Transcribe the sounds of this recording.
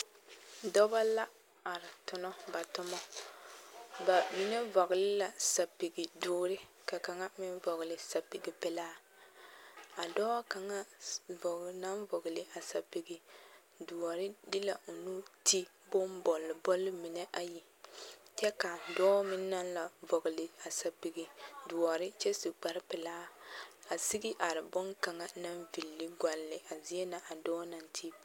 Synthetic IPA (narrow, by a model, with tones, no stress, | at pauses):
dɔ˦ba˦la˦ | a˨ɾɪ˨tʊ˨nɔ˦ba˨tʊ˦mɔ˦ | ba˨mi˦nɛ˦vɔ˨ɣɪ˨lɪ˦la˨sa˨pi˨ɡi˨dʊː˦ɾɪ˦ | ka˨ka˨ŋa˦mɪ˦n˦vɔ˨ɣɪ˨lɪ˨sa˨pi˨ɡi˨pɛ˨laː˦ | a˨dɔː˦ka˨ŋa˦vʊ˨ɡna˦nvʊ˨ɡlɪ˨ʔa˨sa˨pi˨ɡi˨ | du˨a˨ɾɪ˦dɪ˦la˨ʔo˨nu˦tʰi˦ | bʊ˦mbɔ˨lːɪ˨bɔ˦lːɪ˦mi˨nɛ˦ʔa˦ji˨ | t͡ʃɛ˦ka˨dɔː˦mɪ˦nːa˦nla˨vɔ˨ɡlɪ˨a˨sa˨pi˨ɡi˨du˨ɔ˨ɾɪ˦t͡ʃɛ˦si˨k͡pa˨ɾpɛ˨laː˦a˨si˦ɡɪ˦ʔa˨ɾɪ˨bʊ˦ŋka˨ŋa˨na˦nvi˨lːɪ˦ɡʷa˨lːɪ˨ʔa˨zi˦ɛ˦na˨ʔa˨dɔː˦na˨ntʰi˦